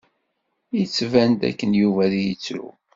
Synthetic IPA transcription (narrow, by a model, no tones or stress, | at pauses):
jit͡sːvænd̪æ̰kːənjuvæðijət͡sːɾṵ